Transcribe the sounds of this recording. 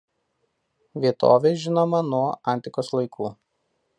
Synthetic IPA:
ʋʲiɛt̪ʰo̰ːʋʲeʒʲɪnoːmɐnuɔɐˑnʲt̪ʲɪkoːslˠɐɪkʰuː

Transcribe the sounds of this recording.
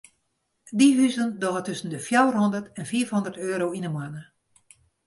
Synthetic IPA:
diɦyzəndɔɣətʏsən̩dəfjawrɦɔndərtɛnfiːfhondərtøːɾowinəmwanə

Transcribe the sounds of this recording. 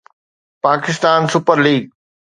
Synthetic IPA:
paːkɪst̪aːnsʊpəɾliːɡ̚

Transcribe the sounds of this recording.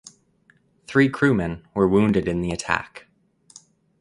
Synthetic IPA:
θɹikʰɹ̥ʉmɛ̃nwə˞wũndɨɾɨ̃nðiɨtʰæ̰k

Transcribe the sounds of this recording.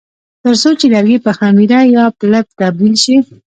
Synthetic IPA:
t̪əɾsot͡ʃelaɾɡipəxamiɾajɑpləp̚t̪ab̚d̪ilʃi

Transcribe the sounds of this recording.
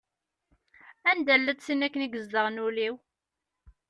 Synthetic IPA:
ænd̪ælːəd̪sinækːəniɡəzd̪əʁnuliw

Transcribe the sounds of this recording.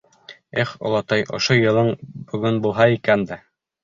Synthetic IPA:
eχo̰lˠɑt̪ɑjʔŏ̰ʃojɤ̆lˠɤɴbɵ̆ɡɵnbulˠɦɑikænd̪æ

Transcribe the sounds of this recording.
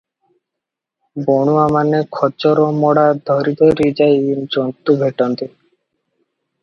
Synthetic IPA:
bɔɽ̃uamanekʰɔt͡ʃɔɾɔmɔɽad̪ʱɔɾit̪ɔɾid͡ʑajind͡ʑɔnt̪ubʱeʈɔnt̪i

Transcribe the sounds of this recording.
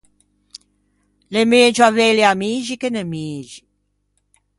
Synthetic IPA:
lemeːd͡ʒuavejliamiːʒikenemiːʒi

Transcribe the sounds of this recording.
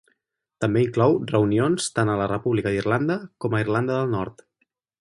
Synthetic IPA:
t̪əmbeiŋklɔwrəunionst̪anələrəpuβlikəðirland̪əkɔməirland̪əðəlˠnɔɾt̪

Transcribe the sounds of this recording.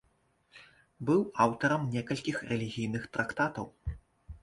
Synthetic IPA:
bɨwawt̪ɐɾɐmnʲɛkɐlʲkʲixrɛlʲiɣʲijnɨxt̪ɾʔakt̪at̪ɐw

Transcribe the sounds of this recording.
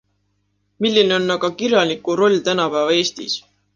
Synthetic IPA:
milʲːine̞o̞nːɑɡ̥ɑkiɾjɑlʲikːˑuɾo̞lʲːt̪ænɑpæːvɑe̞ːst̪ḭs

